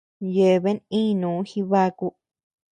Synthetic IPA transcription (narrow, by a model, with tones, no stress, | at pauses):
je˨˧βe˦nĩː˦˧nũː˨˦xi˦βa˦˧ku˧